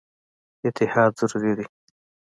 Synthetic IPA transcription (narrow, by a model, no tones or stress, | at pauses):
ɪt̪ʰɪhɑːd̪z̥ʊɾuɾid̪i